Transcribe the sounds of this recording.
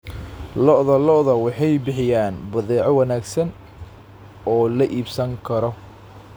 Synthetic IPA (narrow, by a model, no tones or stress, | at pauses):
lɔʔðɐlɔʔðɐwɑħɑjbɪħɪjaːnbɐðɛːʕɔwɐnaːɡsɐn | ɔːlɐʔiːbsɐŋkʰɐɾɔ